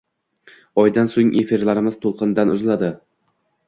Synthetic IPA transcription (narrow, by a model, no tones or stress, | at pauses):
ɒjd̪ansoŋʔefiɾlaɾɪmɪz̥t̪ʰolˠqʰɨnd̪anʊzlad̪ɪ